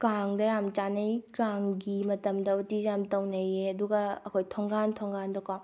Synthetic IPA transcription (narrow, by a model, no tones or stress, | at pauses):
kaŋdɐjamt͡ʃanejkaŋɡimɐtɐmdɐutid͡ʒjamtɐwnɐjeɐduɡɐɐkʰojtʰɔŋɡantʰɔŋɡandɐkaw